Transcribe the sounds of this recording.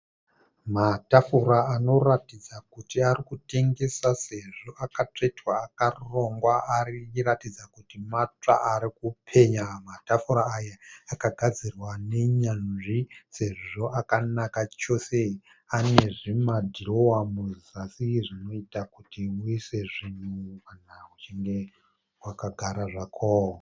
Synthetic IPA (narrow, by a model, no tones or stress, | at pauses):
matafuɾaano̞ratid͡zakutiarikute̞ŋɡe̞sase̞ʐo̞ʔakat͡ʂetwaːkaruro̞ŋɡwaariratid͡zakutimat͡ʂa̰aɾikupʰe̞ɲamatafuɾaːjaakaɡʱad͡zirwane̞ɲanʐise̞ʐʐo̞ʔakanakat͡ʃo̞se̞ | ane̞ʐimadʱirowamuzasiʐino̞itakutimuise̞ʐin̤ukanawut͡ʃiŋɡe̞ | wakaɡʱaɾaʐakʰoo